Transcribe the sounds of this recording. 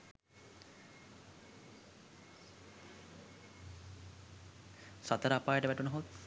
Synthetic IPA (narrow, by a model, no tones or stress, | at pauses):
sat̪əɾəapaːjəʈəʋæʈunɐɦut̪